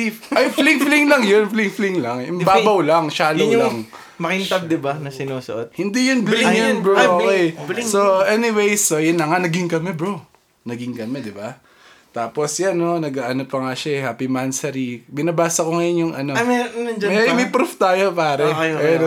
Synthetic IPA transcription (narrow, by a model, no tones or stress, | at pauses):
ɐjfliŋfliŋlɐŋjonfliŋfliŋlɐŋjʊmbaːbɐwlɐŋʃaːloŋlɐŋ | mɐkɪnt̪ɐb̚d̪ɪbanɐsɪnoːsɐ̰ʔot̪̚hɪnd̪ijʊnblŋjonbɾookɛjsoʔɛnɪwejsojʊnlɐŋanɐɡɪŋkɐmɛbɹo | nɐɡɪŋkɐmɛd̪ɪba | t̪aːposjanːo̞nɐɡaːʔɐnopɐŋaʃaɛhaːpimansɐɾibɪnɐbaːsɐkoŋɐjonjʊŋɐnomɛɐnɐnd͡ʒɐmɛmɐjpɾuft̪aːjo̞paːɾɛpɛɾo